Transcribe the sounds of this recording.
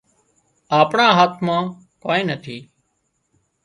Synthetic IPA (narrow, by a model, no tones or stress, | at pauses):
aːpɳãːɦaːt̪ʰmãː | koːnĩːnət̪ʰiː